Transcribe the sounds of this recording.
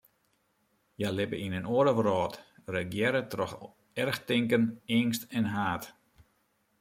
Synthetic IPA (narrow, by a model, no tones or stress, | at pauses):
jalɪpə̰ʔinənoəɾəʋərɔːtrəɡjɛɾətrɔx | ɛrxtɪŋkənɪŋstɛnɦaːt